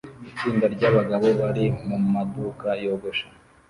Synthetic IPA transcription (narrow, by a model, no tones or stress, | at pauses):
it͡ʃiːndaɾɟaːβaɡaβo̞βaɾimumaduːkajo̞ɡoʃḁ